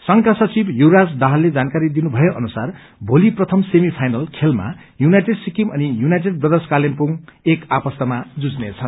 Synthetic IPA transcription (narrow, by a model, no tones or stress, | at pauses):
sʌŋkasʌt͡sibjuɾad͡zd̪aɦʌlːed͡zankaɾid̪inubʱʌjeʔʌnusar | bʱoliprʌt̪ʰʌmsemipʰajnʌlkʰelma̰ | junajʈeɖsikimʌnijunajʈeɖprʌd̪eskalempuŋekapʌst̪ʌmad͡zud͡znet͡sʰʌn